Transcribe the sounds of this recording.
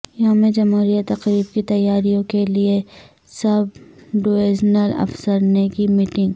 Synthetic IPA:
jɐɦamẽd͡ʒɐmɦuːɾijat̪ɐqɾiːb̚kit̪ɐjːaːɾijõkelie | sɐbɖoːeːd͡ʒnəlɐ̰fsəɾnekimiːʈɪ̃ŋɡ

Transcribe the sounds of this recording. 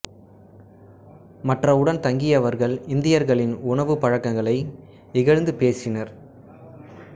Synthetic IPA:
mɐʈrɐʊɽɐnt̪ɐŋɡɪjɐʋɐɾɣɐɭɪnd̪ɪjɐɾɣɐɭɪnʊɳɐʋɯpɐɻɐkːɐŋɡɐɭɐɪ | ɪɣɐɻnd̪ɯpeːsɪnɐɾ

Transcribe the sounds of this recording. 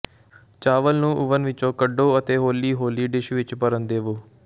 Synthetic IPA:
t͡ʃaːʋəlnũːʔʊʋənʋɪt͡ʃõːkəɖoːət̪eːɦoːliːɦoːliːɖɪʃʋɪt͡ʃpəɾənd̪eːʋoː

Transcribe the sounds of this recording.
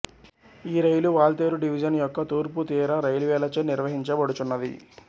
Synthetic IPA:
iːɾɐjluʋaːlt̪eːɾuɖiʋid͡ʒɐnjɔkːɐt̪uːɾput̪iːɾɐɾɐjluʋɛːlɐt͡ʃeːniɾʋɐɦiɲt͡ʃɐbɐɽut̪unːɐd̪ḭ

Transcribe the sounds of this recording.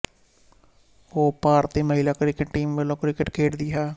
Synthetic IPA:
hoːpaːɾt̪eːməɦilaːkɾɪkəʈːiːmʋəlõːkɾɪkəʈkʰeːʈd̪iːɦaː

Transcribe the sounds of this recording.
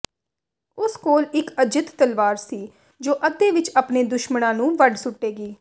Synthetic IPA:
ʊskoːlɪkəd͡ʒɪt̪t̪əlʋaːɾsiː | d͡ʒoːʔət̪ːeːʋɪt͡ʃaːpneːd̪ʊʃməɽãːnũːʋəɖsʊʈːeːɡiː

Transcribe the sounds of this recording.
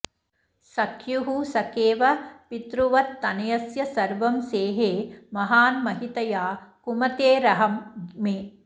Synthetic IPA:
sɐkʰjuɦusɐkeːʋɐpit̪ɾuʋɐt̪ːɐnɐjɐsjɐsɐɾʋɐmseːɦeːmɐɦaːnmɐɦit̪ɐjaːkumɐt̪eːɾɐɦɐmːeː

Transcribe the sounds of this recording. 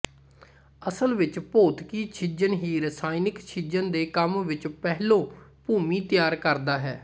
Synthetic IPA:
əsəlʋɪt͡ʃpoːt̪kiːt͡ʃʰɪd͡ʒənɦiːɾəsaːinɪkt͡ʃʰɪd͡ʒənd̪eːkəmʋɪt͡ʃpɛɦlõːpuːmiːt̪ɪjaːɾkəɾd̪aːɦɛ̰ː

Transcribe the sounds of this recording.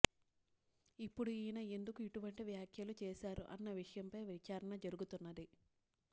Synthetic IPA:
ipːuɽuiːnɐe̞nd̪ukuiʈuʋɐɳʈiʋjaːkʰjɐlut͡ʃɛːʃaːɾuʔɐ̰nːɐʋiʂɐjɐmpɐjʋit͡ʃaːɾɐɳɐd͡ʒɐɾuɡut̪unːɐd̪i

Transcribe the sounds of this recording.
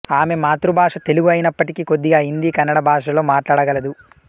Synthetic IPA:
aːme̞maːt̪ɾubʱaːʂɐt̪e̞luɡuɐjinɐpːɐʈikiko̞d̪ːiɡaːɦind̪ikɐnːɐɽɐbʱaːʂɐlo̞ːmaːʈlaːɽɐɡɐlɐd̪u

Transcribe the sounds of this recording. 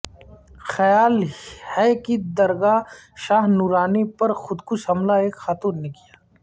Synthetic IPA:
xɐjaːlhɛkid̪ɐɾɡaʃaːɦnuːɾaːnepɐɾxʊd̪kʊʃɦɐmlaeːkxaːt̪uːɾnekijaː

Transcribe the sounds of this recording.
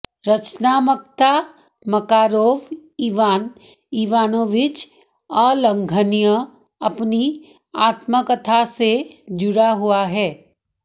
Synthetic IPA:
ɾɐt͡ʃnaːmək̚t̪a | mɐkaːɾoːʋiːʋaːn | iːʋaːnõʋɪt͡ʃ | ɔlə̃ŋɡʱənijə | ɐpni | aːt̪məkət̪ʰased͡ʒʊɽaɦʊaɦɛː

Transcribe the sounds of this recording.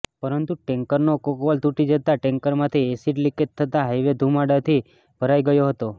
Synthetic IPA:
pəɾənt̪uʈɛ̃ŋkəɾnokokʋolt̪uʈid͡ʒət̪aʈɛ̃ŋkəɾmãt̪ʰiesiʈlikit̪ʰːət̪aɦajʋed̪ʱumaɖat̪ʰi | b̥ʱəɾajɡəjoɦət̪o

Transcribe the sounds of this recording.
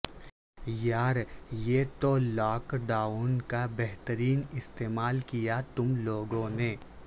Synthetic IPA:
jaːɾjet̪olɔːkɖaːunkabɛɦt̪əɾiːnɪst̪eːmaːlkijat̪ʊmloːɡõneː

